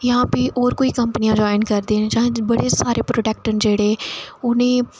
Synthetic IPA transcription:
jãːpiʔɔːɾkoːiːkəmpnijãːd͡ʒoːɪnkəɾd̪eːnːd͡ʒãːbəɽeːsaːɾeːpɾoːɖɛːk̚ʈənd͡ʒeːɽeːʊnẽː

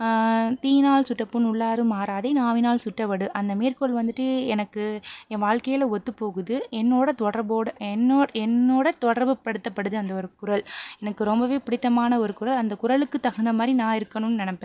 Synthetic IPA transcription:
t̪iːnaːɭsʊʈːɐpːɯnʊɭːaːɾɯmaːɾaːðɐɪnaːʋɪnaːɭsʊʈːɐpɐɽɯʔɐnd̪ɐmeːrkɔɐɭʋɐnd̪ɯʈːɯɛnɐkːɯɛʋaːɻkɐjɪlɐɔt̪ːɯpːoːɣɯðɯɛnːoːɽɐt̪ɔɽɐɾboːɽɐɛnːoːɛnːoːɽɐt̪ɔɽɐɾbɯpɐɽɯt̪ːɐpːɐɽɯðɯɐnd̪ɐɔɾɯkʊɾɐɭɛnɐkːɯɾɔmbɐʋeːpɪɽɪt̪ːɐmaːnɐɔɾɯkʊɾɐlɐnd̪ɐkʊɾɐɭɯkːɯt̪ːɐɣɐnd̪ɐmaːd̪ɾinãːɪɾɯkːɐnɯnːɯnɪnɐpːẽː

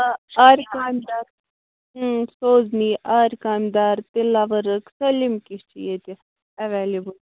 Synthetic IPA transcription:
aːɾkaːmd̪aːɾ | soːzniʔaːɾkaːmd̪aːɾt̪ilaʋəɾəksɐlimkist͡ʃʰḭjet̪i | ɐʋeːlibəl

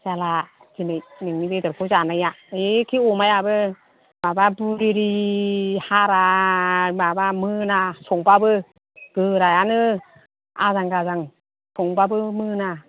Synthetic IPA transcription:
zala | ɡinɯjnɯŋnibedɯɾpʰɔzanaja | ekʰiɔmajabɯ | mababuɾiɾihaɾa | babamɯnasɔŋbabɯ | ɡ̥ɯɾajanɯ | a̰zaŋɡazaŋ | sʰɔŋbabɯmɯna

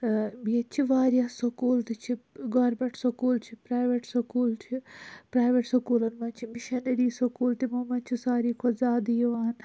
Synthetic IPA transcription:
biɐt͡ʃʰiʋaːɾjasɐkuːlt̪it͡ʃʰiɡɔɾbɐʈsɐkuːlt͡ʃʰipɾaːjʋeʈsɐkuːlt͡ʃʰipɾaːjʋeʈsɐkuːlɐnmɐnt͡ʃʰimiʃɐnɐɾiːsɐkuːlt̪imɐmɐnt͡ʃʰusaːɾiːkʰɔzaːd̪ijiʋaːn

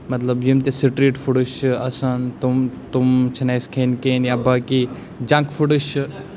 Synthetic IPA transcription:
mɐt̪lɐbjimt̪esiʈɾiːʈfʰuɽuʃɐsɐnt̪umt̪umt͡ʃʰɐnajskʰeːnkeːnjaːbaki | d͡ʒãŋkfʰuɽɨʃ

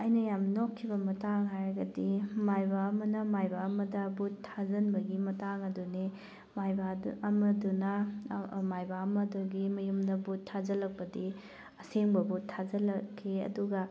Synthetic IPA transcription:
ɐjnɐjamnokʰːibɐmɐtaŋɦaɾɐɡɐdimajbaɐmɐnɐmajbaɐmɐdɐbutʰːazɐnbɐɡimɐtaŋɐdune | majbaɐmɐdunɐ | majbaɐmɐduɡimɐjumdɐbutʰːazɐlɐk̚pɐdi | ɐseŋbɐbutʰːazɐlɐkʰːiɐ̰duɡɐ

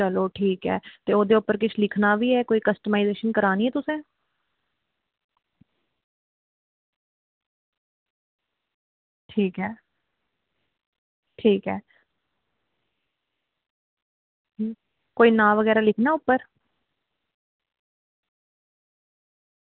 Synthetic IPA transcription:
t͡ʃəloːʈʰiːkɛ̰ːt̪eːoːd̪eːʊpːəɾkɪt͡ʃʰlɪkʰnaːʋiːɛːkoːiːkəsʈəmaɪzeːʃənkəɾaːniːɦɛːt̪ʊsẽː | ʈʰiːkɦɛː | ʈʰiːkɛː | koːiːnãːʋəɡɛːɾaːlɪkʰnaːʊpːəɾ

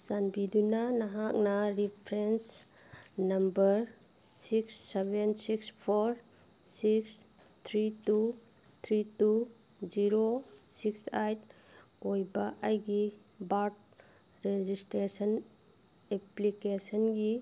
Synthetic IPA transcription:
sanbidunanɐɦak̚nɐɾipʰɾens | nɐmbɐɾ | siksːebensikspʰoɾ | siks | t̪ʰɾitu | t̪ʰɾitu | ziɾosiksajt̚ | kojbaʔajɡi | baɾt̚ | ɾed͡ʒisʈɾesən | eplikesənɡi

